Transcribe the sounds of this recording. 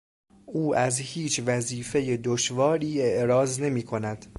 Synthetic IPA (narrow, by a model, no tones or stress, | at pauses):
ʔuːʔæzhiːt͡ʃʰvæziːfe̞jed̪oʃvɒːɾiːe̞ʔɾɒːzne̞miːkʰo̞næd̪̥